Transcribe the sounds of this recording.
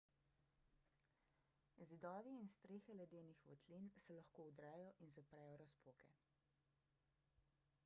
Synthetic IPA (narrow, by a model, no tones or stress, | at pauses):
zid̪ɔːʋiːnst̪ɾeːxɛlɛd̪eːnixʋɔ̰t̪linsɛlɐxkoːud̪ɾɛːjɔʔinzapɾɛːjɔɾaspoːkɛ̰